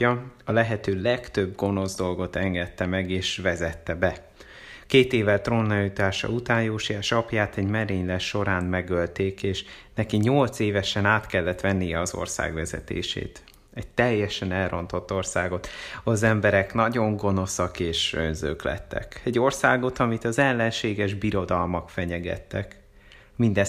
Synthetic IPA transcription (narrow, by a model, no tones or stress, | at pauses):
ɒɒlɛɦɛt̪øːlɛɡt̪øbɡo̞no̞zd̪o̞lɡo̞t̪ɛŋɡɛt̪ːɛmɛɡeːʃʋɛzɛt̪ːɛbɛ | keːt̪eːvɛlt̪ronːɒlit̪aːʃɒ̰ut̪aːnjoːʃiaʃɒpjaːt̪ɛɟmɛɾeːɲlɛʃo̞ɾaːnmɛɡølt̪eːkeːʃnɛkiɲo̞lt̪seːvɛʃɛnaːt̪kɛlːɛt̪ʋɛnːijɛɒzo̰rsa̰ːɡvɛzɛ̰t̪ḛːʃḛːt̪ | ɛɟ̚t̪ɛjːɛʃɛnɛlro̞nt̪o̞t̪ːo̞rsaːɡo̞t̪ɒzɛmbɛɾɛknɒɟo̞ŋɡo̞no̞sɒkeːʃø̰nzø̰ːklɛ̰t̪ːɛ̰kɛɟːo̞rsaːɡo̞t̪ɒmit̪ɒzɛlːɛnʃeːɡɛʒbiɾo̞d̪ɒlmɒkfɛɲɛɡɛ̰t̪ːɛk | mind̪ɛ